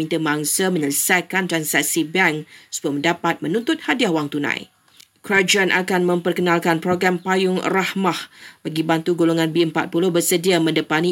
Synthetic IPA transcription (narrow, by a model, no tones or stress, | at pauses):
int̪əmaŋsəmə̃ɲələsajkant̪ɾansak̚sibɛŋsu̥buamə̃ndapat̪̚mə̃nũnt̪ʊt̪̚hadiahwaŋt̪unã̰j | kɾad͡ʒaanʔa̰kanmə̃mpərkənãlkanpɾoɡɾampajʊŋrahmahb̥aɡibant̪uɡoloŋãnbiəmpat̪̚pulʊhbərsədiamə̃ndəpanĩ